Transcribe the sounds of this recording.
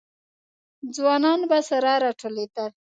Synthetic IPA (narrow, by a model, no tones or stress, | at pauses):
d͡zwɑnɑnbasaɾɑɾɑʈʰolet̪al